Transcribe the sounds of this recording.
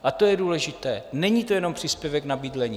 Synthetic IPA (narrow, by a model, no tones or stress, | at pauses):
ʔat̪o̞jɛduːlɛʒɪt̪ɛ̰ːnɛɲiːt̪o̞jɛno̞mpr̥iːspjɛvɛknabiːdlɛɲiː